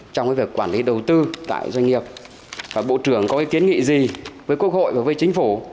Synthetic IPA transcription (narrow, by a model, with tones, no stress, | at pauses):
t͡ɕɔ˧wŋ͡mkaː˨˦vəkːwaː˧˩nli˨˦ɗə˨˩wt̪ɨ˧t̪a̰ː˧˨jzwa˧ŋ̟ŋi˨˩əp̚ | vaː˨˩ɓo̰˧˨t͡ɕɨ˧˩əŋkɔ˨˦kɛ˨˦ki˨˦ənŋḭ˧˨zi˨˩vəː˨˦jkwət̚ho̰˧˨jvaː˨˩vəː˨˦jt͡ɕï˨˦ŋ̟fu˧˩